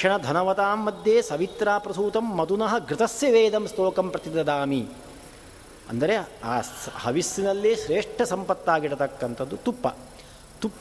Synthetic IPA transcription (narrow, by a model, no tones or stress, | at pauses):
ɐɳɐd̪ʱɐnɐʋɐt̪aːmːɐd̪jeːsɐʋit̪ɾaːpɾɐsuːt̪ɐmːɐt̪unɐɦɐ̆ɡɾɪt̪ɐsjɐʋeːd̪ɐmst̪oːkɐmpɾɐt̪id̪ɐd̪aːmi | ɐ̰nd̪ɐɾeaːhɐʋisinɐlːeːʃɾeːʂʈʰɐsɐmpɐt̪ːaːɡiɽɐt̪ɐkːɐnt̪ʰɐd̪ːut̪upːɐ̰ | t̪upː